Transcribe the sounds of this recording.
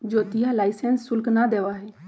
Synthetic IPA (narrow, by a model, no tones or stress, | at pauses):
d͡ʒoːt̪ɪɦalaːɪsensːʊlknad̪eːʋaːɦɛː